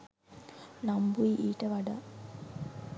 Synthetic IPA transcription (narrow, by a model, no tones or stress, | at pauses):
nambuiʔiːʈəʋaɖa̰ː